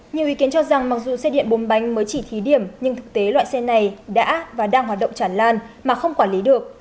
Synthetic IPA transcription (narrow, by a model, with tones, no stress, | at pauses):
ɲi˨˩əwʔi˨˦ki˨˦nt͡ɕɔ˧za˨˩ŋma˨˩k̚zṵ˨˩sɛ˧ɗḭ˧˨ənɓo˨˦nɓa˨˦jŋ̟məː˨˦jt͡ɕi˧˩t̪ʰi˨˦ɗi˧˩əmɲɨ˧ŋt̪ʰɨ˨˩k̚t̪e˨˦lwa̰ː˧˨jsɛ˧na˨˩jɗa̰ː˧˥vaː˨˩ɗaː˧ŋɦwaː˨˩t̚ɗə̰˧˨wŋ͡mt͡ɕaː˧˩nlaː˧nmaː˨˩xə˧wŋ͡mkwaː˧˩nli˨˦ɗɨ˨˩ək̚